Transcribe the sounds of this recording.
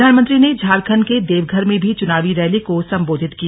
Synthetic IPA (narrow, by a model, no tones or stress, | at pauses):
aːnmənt̪ɾined͡ʒʱaːɾkʰənked̪eːʋɡʱəɾmẽbʱit͡ʃʊnaːʋiɾɛːlikosɐ̃mboːd̪ʱɪt̪ki